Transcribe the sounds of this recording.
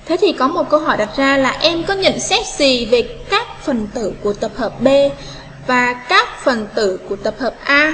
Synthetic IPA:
t̪ʰe˨˦t̪ʰi˨˩kɔ˨˦mo˨˩t̚kə˧wɦɔ˧˩jɗa˨˩t̚zaː˧laː˨˩ʔɛ˧mkɔ˨˦ɲə̰˧˨nsɛ˦˥t̚zi˨˩ve˨˩kaː˦˥k̚fə˨˩nt̪ɨ̰˧˨ku˧˩ət̪ə˨˩p̚həː˨˩p̚ɓe˧ | vaː˨˩kaː˦˥k̚fə˨˩nt̪ɨ̰˧˨ku˧˩ət̪ə˨˩p̚həː˨˩p̚ʔaː˧

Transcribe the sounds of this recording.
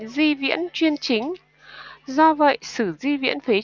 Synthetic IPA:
zi˧vḭ˧˥ənt͡ɕwi˧ənt͡ɕï˨˦ŋ̟ | zɔ˧və̰˧˨jsɨ˧˩zi˧vḭ˧˥ənfe˨˦

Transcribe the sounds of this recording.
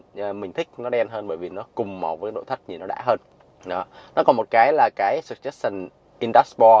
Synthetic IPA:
mï̟˨˩t̪ʰï˦˥k̟̚nɔ˨˦ɗɛ˧nɦəː˧nɓəː˧˩jvi˨˩nɔ˨˦kʊ˨˩ŋ͡mma˨˩wə˨˦kːa˨˦ɗo̰˧˨˩t̪ʰk̚ɲi˨˩nɔ˨˦ɗa̰ː˧˥ɦəː˧n | ɗɔ˨˦nɔ˨˦kɔ˨˩nmo˨˩t̚kaː˨˦jlaː˨˩kaː˨˦jsɨ˨˩t̚t͡ɕə˦˥t̚sa˨˩ŋ | ʔi˧nɗa˦˥spɔ˧

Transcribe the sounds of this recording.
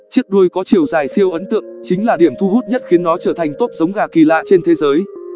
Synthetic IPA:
t͡ɕi˦˥ək̚ɗu˧əjkɔ˨˦t͡ɕi˨˩əwzaː˨˩jsi˧əwʔə˨˦nt̪ɨ̰˧˨əŋt͡ɕï˨˦ŋ̟laː˨˩ɗi˧˩əmt̪ʰu˧ɦu˦˥t̚ɲə˦˥t̚xi˨˦ənːɔ˨˦t͡ɕəː˧˩t̪ʰa˨˩jŋ̟t̪o˦˥p̚zə˨˦wŋ͡mɣaː˨˩ki˨˩la̰ː˧˨t͡ɕe˧nt̪ʰe˨˦zəː˨˦j

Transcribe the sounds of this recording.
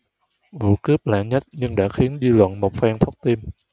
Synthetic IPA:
vṵ˧˨kɨ˦˥p̚la̰ː˧˩ŋɲə˦˥t̚ɲɨ˧ŋɗa̰ː˧˥xi˨˦ənzi˧lwə̰˧˨nmo˨˩t̚faː˧ŋt̪ʰə˦˥wk͡p̚t̪i˧m

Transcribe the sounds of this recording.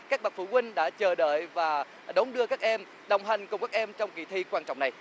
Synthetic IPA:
kaː˦˥k̚ɓa˨˩k̚fṵ˧˩kwï˧ŋ̟ɗa̰ː˧˥t͡ɕəː˨˩ɗə̰ː˧˨jvaː˨˩ | ɗə˨˦wŋ͡mɗɨ˧əkaː˦˥k̚ʔɛ˧m | ɗə˨˩wŋ͡mɦa˨˩jŋ̟kʊ˨˩ŋ͡mkaː˦˥k̚ʔɛ˧mt͡ɕɔ˧wŋ͡mki˧˩t̪ʰi˧kwaː˧nt͡ɕɔ̰˧˨wŋ͡mna˨˩j

